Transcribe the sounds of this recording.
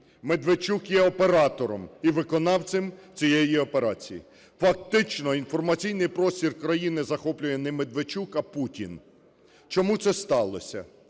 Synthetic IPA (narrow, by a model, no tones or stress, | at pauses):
med̪ʋet͡ʃukjɛɔpeɾɑt̪ɔɾɔmiʋɪkɔnɑwt͡s̪ʲɪmt͡sʲijɛjiɔpe̞ɾɑt͡sʲijḭ | fɐk̚t̪ɪt͡ʃnɔinfɔrmɐt͡sʲijnɪjpɾɔsʲtʲirkɾɐjinɪzɐxɔplʲʊjɛnɛmed̪ʋet͡ʃukɐputʲḭn | t͡ʃɔmut̪sɛst̪ɑlˠɔ̰sʲɐ̰